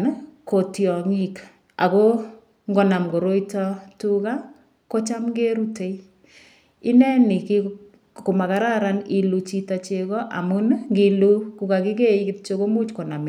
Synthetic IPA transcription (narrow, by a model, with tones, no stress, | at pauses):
nko˨tjɔ˨ŋi˦k | a̰˨ko˦ | ŋɡo˨na˨mɡo˨ɾo˦itɔ˦tu˦ka˦ | ko˦t͡ʃa˦mɡe˦ɾu˦te˨i | ɪ˦nɛ˦ni˨ki | ko˨ma˨ka˨ɾa˦ɾa˦ni˨lu˨t͡ʃi˦ta˨t͡ʃe˨kɔ˦ʔa̰˨mu˦nŋɡilu˦ku˨ka˨kɪ˦ke˦ikɪ˦t̚t͡ʃo˦ko˦mu˦t͡ʃko˨na˨m˨